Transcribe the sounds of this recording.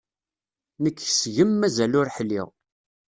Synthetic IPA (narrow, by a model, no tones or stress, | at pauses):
nəkːəsʝəmːæzælʊɾħlḭʁ